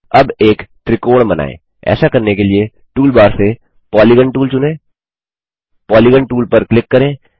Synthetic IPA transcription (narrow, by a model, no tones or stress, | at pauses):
ɐbeːkt̪ɾɪkoːɽbɐna̰ːḛ̃ː | ɛ̰ːsakɐɾnekelie | ʈuːlbaːɾse | pɔːliɡə̃ɳʈuːlt͡ʃʊnẽː | pɔːliɡə̃ɳʈuːlpɐɾklɪkːɐɾẽː